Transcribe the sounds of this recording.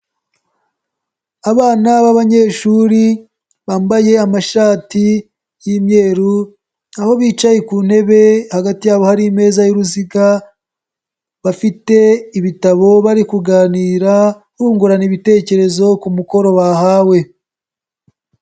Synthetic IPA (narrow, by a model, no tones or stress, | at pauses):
aβaːnaβaβaɲe̞ʃuːɾi | βaːmbaje̞amaʃaːti | jimɲe̞ːɾu | naho̞βiːt͡ʃajekuːnhe̞βe̞haɡatijaːβo̞haɾime̞ːzajuɾuziɡa | βafite̞iβitaβo̞βaɾikuɡaːniːɾa | huːŋɡuɾaniβite̞ːce̞ɾe̞zo̞kumuko̞ɾo̞βahaːwe̞